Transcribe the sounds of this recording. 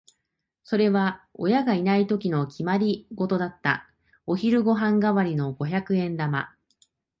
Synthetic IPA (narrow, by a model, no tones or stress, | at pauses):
so̞ɾe̞βao̞̰jaɡainait̪o̞kʲino̞kʲimaɾʲiɡo̞t̪o̞d̪at̪ːa̰ | o̞çiɾɯ̟ɡo̞ɦãŋɡaβaɾʲino̞ɡo̞çakɯ̟ẽ̞nd̪ama̰